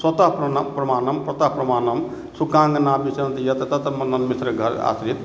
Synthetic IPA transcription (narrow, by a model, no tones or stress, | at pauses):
sɐt̪apɾɐnpɾɐmaːnɐmpɾɐt̪aɦpɾɐmaːnɐm | sukãŋɡnabiseɐnt̪ijɐt̪ɐt̪at̪ɐmɐnːɐnmisɾɐɡʱɐɾa̰sɾit̪